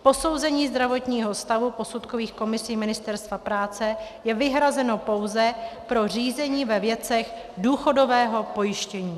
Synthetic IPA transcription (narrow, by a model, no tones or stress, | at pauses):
po̞so̞wzɛɲiːzd̪ɾavo̞t̪ɲiːɦo̞st̪avupo̞sut̪koviːxko̞mɪsiːmɪnɪst̪ɛɾst̪vapɾaːt͡sɛjɛvɪɦɾazɛno̞po̞wzɛpɾo̞r̝iːzɛɲiːvɛvjɛt͡sɛx | duːxo̞do̞vɛːɦo̞po̞jɪʃcɛɲiː